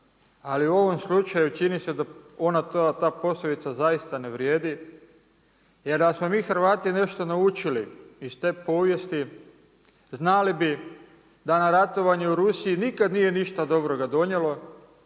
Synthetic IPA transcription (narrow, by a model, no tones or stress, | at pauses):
aliuo̞ʋo̞mslˠut͡ʃajut͡ʃinised̪ao̞nat̪ot̪aːpo̞slod̪it̪sazajist̪aneʋɾje̞ːd̪i | jeɾd̪asmo̞miːxɾ̩ʋaːt̪ine̞ʃt̪o̞naut͡ʃiliist̪e̞ːpo̞ːʋje̞st̪i | znalibi | d̪anaɾat̪o̞ʋaɲɛuɾusiinikad̪nije̞niʃt̪ad̪o̞bɾo̞ɡad̪o̞ɲje̞lo̞